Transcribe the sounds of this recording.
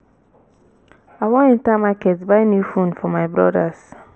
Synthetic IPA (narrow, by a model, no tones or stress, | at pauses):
awɔ̃nĩntamakɛtbaɪ̃njufũnfɔmaɪbɹɔ̰das